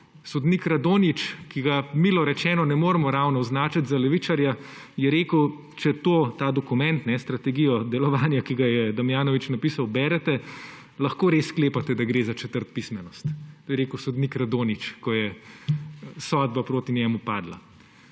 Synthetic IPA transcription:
sɔd̪nikɾad̪oːnit͡ʃkiɡamilɔɾɛt͡ʃɛːnɔnɛmoːɾɛmɔɾawnɔːznaːt͡ʃat̪zalɛʋit͡ʃaɾja | jɛɾeːkəw | t͡ʃɛt̪oːt̪aːd̪ɔkumɛ̃nt̪nɛst̪ɾat̪ɛɡijɔd̪ɛlɔʋaːnjakiɡajɛd̪amjaːnɔʋit͡ʃnapiːsawbɛːɾɛt̪ɛ | lɐxkoːɾeːskleːpat̪ɛd̪aɡɾeːzat͡ʃɛt̪əɾt̪̚pismɛnɔst̪ojɛɾeːkəwsɔd̪nikɾad̪oːnit͡ʃkɔjɛ | sɔːd̪̚bapɾoːt̪inʲjɛːmupaːd̪la̰

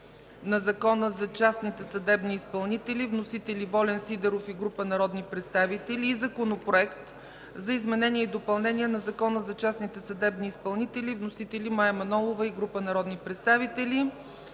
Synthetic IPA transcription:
nɐzɐkɔnəzɐt͡ʃasnit̪ɛsɐd̪ɛbniːspɐlˠnit̪ɛlʲivnosit̪ɛlivɔlʲɛnsid̪ɛɾofiɡɾupənɐɾɔd̪nipɾɛt̪st̪avit̪ɛlʲiːzɐkonopɾoɛkt̪ | zɐizmɛnɛnʲiɛid̪opɐlˠnɛniɛnɐzɐkɔnəzɐt͡ʃasnit̪ɛsɐd̪ɛbniːspɐlˠnit̪ɛlʲivnosit̪ɛlimaɛmɐnɔlˠovəiɡɾupənɐɾɔd̪nipɾɛt̪st̪avit̪ɛlʲi

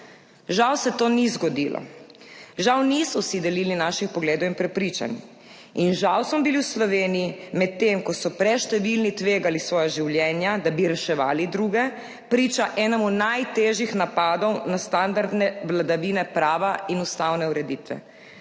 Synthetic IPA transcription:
ʒawsɛt̪oːnizɡɔd̪ilʔɔ̰ | ʒawnisɔsid̪ɛliːlinaʃixpɔɡleːd̪owinpɾɛpɾiːt͡ʃa̰ni | inʒawsmɔbiliwslɔʋeːnijimɛt̪ːemkɔsɔpɾɛʃt̪ɛʋilnit̪ʋeːɡalisʋɔːjaʒiwljɛːnjad̪abiɾɛʃɛʋa̰ːlid̪ɾuːɡɛ | pɾiːt͡ʃaʔɛːnɔmunajt̪eːʒjixnapad̪ɔwnast̪and̪aɾd̪nɛʋlad̪aʋinɛpɾaːʋainust̪awnɛuɾɛd̪iːt̪ʋɛ̰

